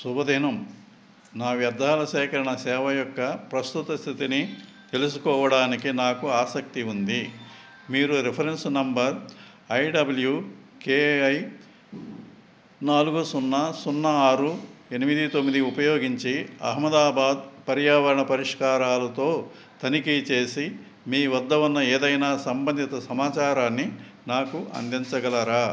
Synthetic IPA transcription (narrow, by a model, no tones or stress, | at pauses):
subɐd̪ʱinɐm | naːʋjɐd̪ʱːaːlɐsɛːkɐɾɐɳɐsɛːʋɐjɔkːɐpɾɐst̪ut̪ɐst̪ʰit̪ini | t̪e̞lus̬ukɔːʋɐɽaːnikinaːkuaːsɐk̚t̪iund̪i | miːɾuɾipʰɐɾensnɐmbɐɾ | ɐjɖɐbulju | keːɐj | naːluɡusunːɐsunːɐaːɾue̞nimid̪it̪omːid̪iupɐjo̞ːɡiɲt͡ʃiɐ̰ɦmɐd̪aːbaːd̪pɐɾjaːʋɐɾɐɳɐpɐɾiʂkaːɾaːlɐt̪o̞ː | t̪ɐnikit͡ʃe̞ːsi | miːʋɐd̪ːɐʋɐnːɐeːd̪ɐjnaːsɐmbɐnd̪ʱit̪ɐsɐmaːt͡ʃaːɾaːnːinaːkuʔɐ̰nd̪iɲt͡ʃɐɡɐlɐɾaː